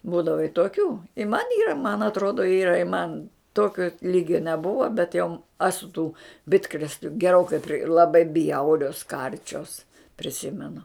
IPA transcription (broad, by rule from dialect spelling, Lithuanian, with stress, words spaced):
ˈbuːdɐʋɐ ɪ toːˈkʲuː ɪ mɐn ˈiːrɐ mɐn ɐtˈroːdoː ˈiːrɐ ɪ mɐn ˈtoːkʲoː ˈlʲiːɡʲoː nʲɛˈbʊʋoː bʲɛt jɛʊ ˈɑːsʊ tuː ˈbʲɪtkrʲeːsʲlʲʊ ɡʲɛˈroːkɐɪ pʲrʲɪ lˠɐˈbɐɪ ˈbʲjɛʊrʲoːs ˈkɐrʲt͡ʃʲoːs pʲrʲɪˈsʲɪmʲɛnʊ